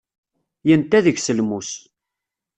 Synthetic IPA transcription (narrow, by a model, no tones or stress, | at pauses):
jənt̪ːæðəʝsəlmus